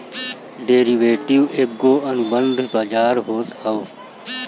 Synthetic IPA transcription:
ɖeːɾiʋeːʈiweɡːoːənʊbənd̪ʱbaːd͡ʒaːɾɦoːt̪həoː

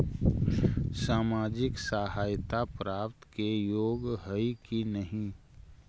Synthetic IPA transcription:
saːmaːd͡ʒɪksaːɦaːjt̪apɾaːpt̪kejoːɡɦəikinəɦĩ

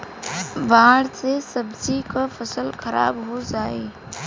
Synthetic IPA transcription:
baːɽsesəbd͡ʒikafʰəsəlkʰəɾa̰ːbɦod͡ʒaːeː

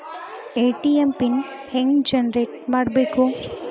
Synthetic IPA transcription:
eːʈiempin | hẽŋɡd͡ʒɐnɾeːʈ̚maːɽbeːkoː

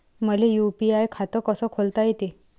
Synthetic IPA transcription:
məlejupiajkʰat̪əkəsəkʰolt̪ajet̪e

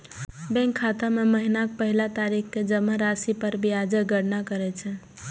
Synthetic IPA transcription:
bɛ̃ŋkʰːat̪ameməɦinak̚pəɦilat̪aɾikʰked͡ʒəmːəɾasipəɾbiad͡ʒəɡəɽnakəɾɛt͡ʃʰɛ

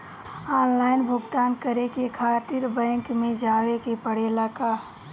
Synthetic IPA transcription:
aːnlaːɪnbʱʊɡt̪aːnkəɾekekʰaːt̪ɪɾbɛ̃ŋkmẽd͡ʒaːwekepəɽelaka

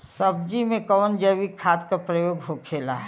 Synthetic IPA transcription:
sɐb̚d͡ʒimẽkɔːnd͡ʒəwikʰaːt̪kapɾəjoːɡɦokʰeːla̰ɦɛ

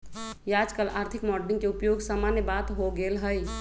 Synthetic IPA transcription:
jad͡ʒkəlaːɾt̪ʰikmɔɾɖnĩŋɡkeupjoɡsəmanjəbat̪ɦoɡelɦəj

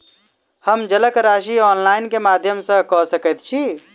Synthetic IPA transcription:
həmd͡ʒələkɾaʃiɔnlainkemad̪ʱjəmsə̃kɔsəkət̪̚t͡ʃʰi

